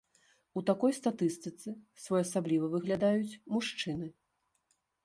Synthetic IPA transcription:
ut̪akɔjst̪at̪ɨst̪ɨt̪sɨsvɔjasablʲivɐvɨɣlʲad̪ajut͡sʲmuʂt͡ʂɨnɨ

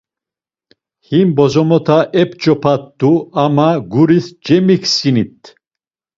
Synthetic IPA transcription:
himbɔzɔmɔt̪ʰaʔɛp̚ʰt͡ʃɔpʰat̪d̪uamaɡuɾisd͡ʒɛmikʰsinit̪ʰ

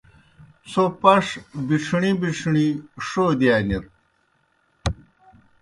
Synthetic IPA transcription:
sopɐʂbiʈ͡ʂʰɳibiʂʰɳiʂoːd̪iaːniɾ

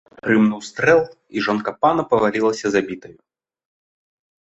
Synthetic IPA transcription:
pɾɨmnuwst̪ɾɛlˠ | iʐɔnkɐpanɐpɐvalʲilˠɐsʲɐzabʲit̪ɐju

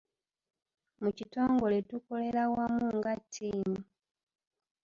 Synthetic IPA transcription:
mucito̞ːŋɡo̞le̞tuko̞le̞lawamuːŋɡatʰːiːmu

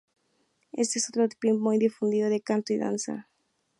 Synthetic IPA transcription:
e̞̰st̪eesot̪ɾot̪i̥pimujd̪ifund̪iðoðekant̪oiða̰nsa̰

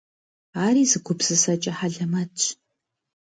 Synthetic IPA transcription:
aːɾiːzɨɡʷʊbz̥ɨsɐt͡ʃʼɐħaɮɐmɐt͡ʃʼ

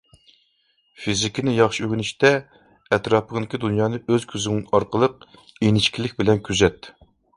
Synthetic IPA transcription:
fizɪkʲinɪjɑχʃiøʁʲɪnɪʃt̪ɛ | ɛt̪ɾɑpəʁd̪ɪkʲid̪unjɑːnɨʔøz̥kʲʰyzɪŋɪŋɑɾqəlˠəq̚ | enɪʃkʲilɪkʲbɪlɛnkʲʰyzɛt̪

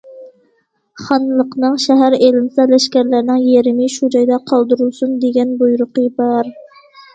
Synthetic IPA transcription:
χɑnlˠəqnɨŋʃæɦæɾelɪnsɛlɛʃkʲæɾlæɾnɪŋjeɾɪmɪʃud͡ʒɑjd̪ɑqʰɑlˠd̪uɾulˠsund̪eɡʲɛnbujuɾʊqəbɑɾ

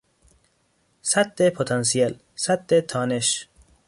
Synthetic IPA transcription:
sat̪ːepʰot̪ʰɑns̬iel | sat̪ːet̪ʰɒːneʃ

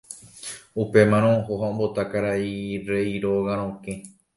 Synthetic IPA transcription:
upe̞mãɾ̃õhoɦaõmbot̪akaɾaiɾeiɾoɣaɾ̃õkẽ

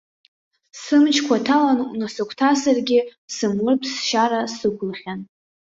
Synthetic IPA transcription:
sɨmt͡ʃʰkʷʰatʰalannasɨkʷʰtʰasarɡʲɪsɨmlɨrpʰsʃaɾasɨɡʷʊlχʲan

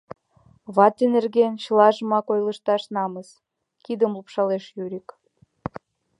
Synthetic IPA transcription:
βɑt̪enerɣent͡ɕəlɑʒə̆mɑkojləʃt̪ɑʃnɑməs | kid̪əmlupʃɑleʃjyɾʲik

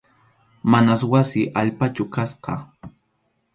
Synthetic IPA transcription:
manaswasɪʔaʎpat͡ʃʊkasqɑ

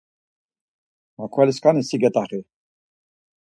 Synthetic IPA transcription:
makʰwɛliskʼanisiɡɛt̪ʼaχi

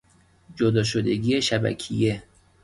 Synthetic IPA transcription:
d͡ʒod̪ɒːʃod̪eɡiːjeʃæbæ̰cʰḭje

